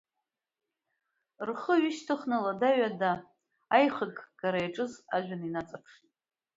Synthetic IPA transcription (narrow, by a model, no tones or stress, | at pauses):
rχəɥiʃtʰɨχnaladaɥadaː | jχəɡɡaɾajaʈ͡ʂʼɨzaʒʷᶣaninat͡sʼapʰʂʼ